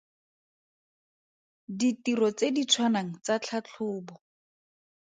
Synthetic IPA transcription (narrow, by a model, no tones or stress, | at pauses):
ditiɾɔt͡sedit͡sʰwanaŋ̩t͡sat͡ɬʰat͡ɬʰʊːbɔ